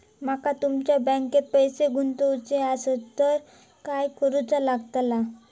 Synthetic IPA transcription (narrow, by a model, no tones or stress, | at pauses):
makat̪umt͡ɕjabə̃ŋket̪̚pəjseɡʱunt̪əwt͡seasett̪ːəɾ | kajkəɾut͡salaɡt̪la